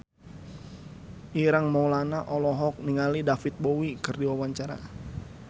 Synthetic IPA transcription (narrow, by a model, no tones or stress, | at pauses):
ʔiɾaŋmɔwlanaʔɔlɔɦɔk̚niŋalidafit̪̚bowikɨrdiwawaɲt͡ʃaɾa̰